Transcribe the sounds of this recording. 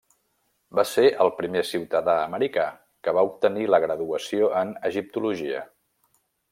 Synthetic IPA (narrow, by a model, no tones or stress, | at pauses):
baseʔəlˠpɾimesiwt̪əðaəməɾika | kəβaup̚t̪əniləɣ̞ɾəðuəsioʔənəʒip̚t̪uluʒiə̰